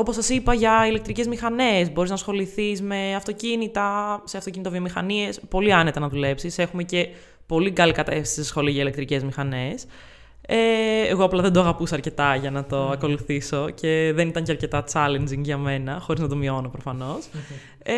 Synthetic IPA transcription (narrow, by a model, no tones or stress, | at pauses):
o̞po̞sɐsipɐʝɐile̞k̚t̪ɾice̞zmixɐne̞zbo̞ɾiznɐsxo̞liθizme̞ɐft̪o̞cinit̪ɐseɐft̪ocinit̪ovio̞mixɐnie̞spo̞liɐnet̪enɐðule̞psise̞xume̞ce̞ | po̞liɡɐlikɐt̪efsi̥sisxo̞liɐʝɐile̞k̚t̪ɾice̞zmixɐne̞s | eeɣoɐplɐðe̞nd̪oɐɣɐpusɐɾce̞t̪ɐʝɐnɐt̪o̞ɐko̞luθiso̞cʰe̞ðe̞nit̪ɐɲceɐɾce̞t̪ɐt͡sɐlend͡ziŋɡʝɐme̞nɐxo̞ɾiznɐd̪o̞mio̞no̞pɾofɐno̞s